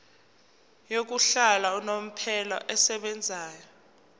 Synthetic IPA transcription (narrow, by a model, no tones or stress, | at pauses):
jok̬uɬalaunom̩pʰɛlɔ̰ʔɛsɛɓɛnd͡zʱaːjɔ